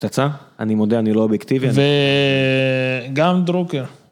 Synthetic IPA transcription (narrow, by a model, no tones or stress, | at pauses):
t̪at͡saanimo̞d̪eanilo̞objekt̪iviave | ɡamd̪ɾokeɾ